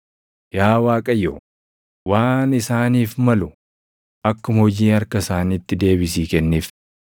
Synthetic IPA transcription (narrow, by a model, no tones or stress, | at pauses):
jaːwaːkʼɐjoː | waːnɪsaːniːfmɐlʊ | ʔɐkːʊmɐhɔd͡ʒiːɐɾkɐsaːniːt̪ːɪd̪e̞ːbɪsiːkɛnːiːf